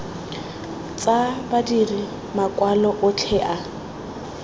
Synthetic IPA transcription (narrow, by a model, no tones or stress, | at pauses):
t͡sʼabadiri | makʼwalɔʔʊt͡ɬʰɛʔa